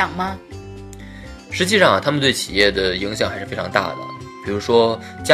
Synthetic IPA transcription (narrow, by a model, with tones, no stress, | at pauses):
ɑ˨˩ŋmɐ˦ | ʂɻ̩˧˥t͡ɕi˥˧ʂɑ˥˩ŋ˩t̪ʰa˥mə˨nt̪we˥˩ɪt͡ɕʰi˨˩jɛ˥˩d̪ə˩i˧˥ŋɕ̬jɑ˨˩ŋxa˧˥ɪʂɻ̩˥˩˧e˥ɪʈ͡ʂʰɑ˧˥ŋt̪a̰˥˩d̪ə̰˩ | pi˨˩ɻu˧˥ʂwɔ˥ | t͡ɕja˥